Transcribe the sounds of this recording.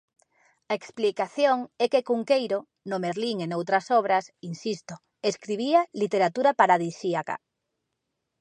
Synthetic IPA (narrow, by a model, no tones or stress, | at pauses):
aeksplikaθjoŋɛkekuŋkejɾo | nomeɾliŋenowt̪ɾasɔβ̞ɾasinsist̪o | eskɾiβ̞ialit̪eɾat̪uɾapaɾaðisiaka̰